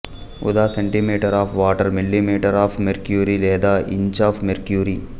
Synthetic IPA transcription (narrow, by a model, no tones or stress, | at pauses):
ʊ̰d̪aːsẽɳʈimiːʈəɾaːfʰʋaːʈəɾmɪlːimiːʈəɾaːfmeɾkjuːɾileːd̪aːɪ̰̃ɲt͡ʃaːfmeɾkjuːɾiː